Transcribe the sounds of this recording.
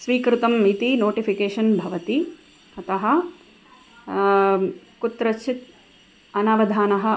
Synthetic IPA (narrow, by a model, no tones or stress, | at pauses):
sʋiːkɾut̪ɐmit̪inoːʈifʰikeːʃɐnbʱɐʋɐt̪i | ɐt̪ɐɦɐ | kut̪ɾɐt͡ʃʰit̪ | ɐnɐʋɐd̪ʱaːnɐɦɐ̆